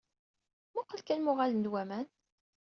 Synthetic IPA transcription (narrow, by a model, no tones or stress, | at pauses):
muqːəlkænmʊʁalənd̪wæmæn